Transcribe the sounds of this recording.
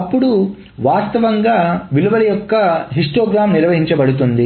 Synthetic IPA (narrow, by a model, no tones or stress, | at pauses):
ɐpːuɽu | ʋaːst̪ɐʋɐŋɡaːʋiluʋɐlɐjɔkːɐɦiʂʈoːɡɾaːmniɾʋɐɦiɲt͡ʃɐbɐɽut̪̬und̪i